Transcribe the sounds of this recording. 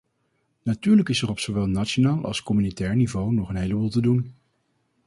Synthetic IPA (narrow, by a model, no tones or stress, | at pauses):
natyːɹləkɪsɛrɔpsoʋɛlˠnatt͡ʃonaːlˠʔɑ̰lˠskɔmynitɛːɹnivownɔχənɦejləbuːlˠtədun